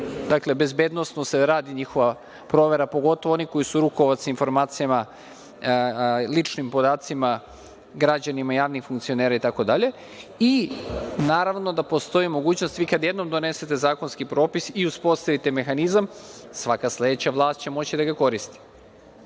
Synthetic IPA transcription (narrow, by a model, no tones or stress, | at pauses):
d̪akle̞be̞zbeːd̪nosnose̞ɾaːd̪iɲixo̞ʋa | pɾo̞ʋe̞ɾapo̞ɡo̞t̪oʋooniko̞jisuɾuko̞ʋat̪sinfo̞ɾmaːt̪sijama | lit͡ʃnimpo̞d̪aːt̪sima | ɡɾad͡ʑanimaijaːʋnixfuŋkt̪sio̞ne̞ːɾait̪ako̞d̪aʎe̞ | i | naːɾaʋno̞d̪apo̞st̪o̞imo̞ɡuːt͡ɕno̞st̪ʋiːkad̪jed̪no̞md̪o̞ne̞se̞t̪e̞zaːko̞nskipɾo̞ːpisiuspo̞st̪aʋit̪e̞me̞xanizamsʋakaslʲe̞d̪et͡ɕaʋlˠaːst̪̚t͡ɕe̞mo̞t͡ɕid̪aɡako̞ɾist̪i̥